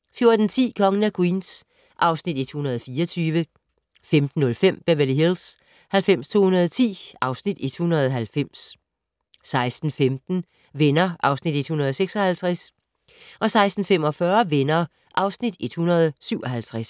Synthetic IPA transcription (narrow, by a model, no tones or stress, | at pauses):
fjo̝ɐd̥n̩t͡sʰḭːkʰɒ̽ŋənæɡ̥wiːns | ʔɑ̈ʊsnid̥e̝d̥hunɐð̞̩ˠfiːɐt͡sʰyːʋə | femd̥n̩ːɔ̽lfem̰b̥æʋeliɦils | hælfem̰st͡sʰo̝̰ːhunɐð̞ˠt͡sʰḭːɑ̈ʊsnid̥e̝d̥hunɐð̞ˠɦælfem̰sː | ɑ̈ɪsd̥n̩femd̥n̩ | ʋenɐʔɑ̈ʊsnid̥e̝d̥hunɐð̞̩ˠseɡ̥sɒ̽hælt͡sʰʁas | ʔɒ̽sɑ̈ɪsd̥n̩fem̰ɒ̽fɶɐʋenɐ | ʔɑ̈ʊsnid̥e̝d̥hunɐð̞ˠsyʊɒ̽hælt͡sʰʁas